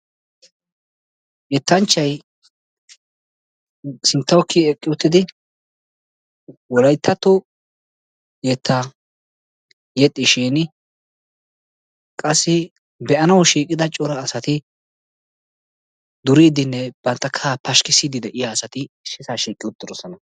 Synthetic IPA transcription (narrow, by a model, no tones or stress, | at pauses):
jɛt̪ːɐnt͡ʃːɐj | sɪnt̪ːɐwkʰːiɛkʼːɪʊt̪ːɪd̪ɪ | wɔlɐjt̪ʰːɐt̪ːɔ | jɛt̪ʰːa | jɛt̪ʼːɪʃeːnɪ | kʼɐsːɪ | bɛʔɐnɐwʃiːkʼːɪd̪ɐt͡ʃʼɔɾɐːsɐt̪ɪ | d̪ʊɾiːd̪ɪnːɛb̥ɐnt̪ːɐkʰːapɐʃkɪsid̪ɪd̪ɛʔɪjaːsɐt̪ɪ | ʃɪsaːʃiːkʼːɪʊt̪ːɪdɔsɔnɐ